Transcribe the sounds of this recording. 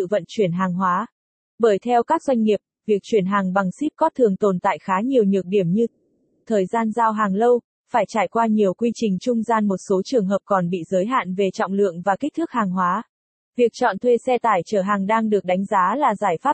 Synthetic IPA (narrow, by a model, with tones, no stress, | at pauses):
ɨ̰˧˨və̰˧˨nt͡ɕwi˧˩ənɦaː˨˩ŋɦwaː˨˦ | ɓəː˧˩jt̪ʰɛ˧wkaː˦˥k̚zwa˧jŋ̟ŋi˨˩əp̚vi˨˩ək̚t͡ɕwi˧˩ənɦaː˨˩ŋɓa˨˩ŋsi˦˥p̚kɔ˨˦t̪ʰɨ˨˩əŋt̪o˨˩nt̪a̰ː˧˨jxaː˨˦ɲi˨˩əwɲɨ˨˩ək̚ɗi˧˩əmɲɨ˧ | t̪ʰəː˨˩jzaː˧nzaː˧wɦaː˨˩ŋlə˧w | faː˧˩jt͡ɕaː˧˩jkwaː˧ɲi˨˩əwkwi˧t͡ɕï˨˩ŋ̟t͡ɕʊ˧ŋ͡mzaː˧nmo˨˩t̚so˨˦t͡ɕɨ˨˩əŋɦəː˨˩p̚kɔ˨˩nɓḭ˧˨zəː˨˦jɦa̰ː˧˨nve˨˩t͡ɕɔ̰˧˨wŋ͡mlɨ̰˧˨əŋvaː˨˩ka˦˥k̚t̪ɨ˦˥k̚haː˨˩ŋɦwaː˨˦ | vi˨˩ək̚t͡ɕɔ̰˧˨nt̪ʰwe˧sɛ˧t̪aː˧˩jt͡ɕəː˧˩ɦaː˨˩ŋɗaː˧ŋɗɨ˨˩ək̚ɗa˨˦jŋ̟zaː˨˦laː˨˩zaː˧˩jfaː˦˥p̚